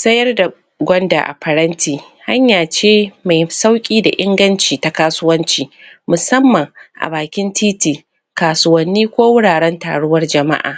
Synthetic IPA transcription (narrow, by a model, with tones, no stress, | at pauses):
sɐ˦jɐ˦rda˨ | ɡʷɔ˦nda̰˨ʔa̰˨ɸɐ˨ɽɐ˦ntʰiː˨ | ha˦ɲjaː˨t͡ʃeː˦ma˨jsa˦wkʲʼiː˦da̰˨ʔɪ˦ŋɡɐ˦nt͡ʃiː˨ta˦kaː˦sʊ˦wɐ˦nt͡ʃiː˨mʊ˨sɐ˦mːɐ˨ŋʔa̰˨baː˨kʲɪ˦ntʰiː˦tiː˨ | kaː˨sʊ˦wɐ˦nːiː˦kʷoː˦wʊ˦ɽaː˨ɽɛ˦nta̰ː˨ɽʊ˦wɐ˦rd͡ʒɐ˨ma̰˦ʔa̰ː˨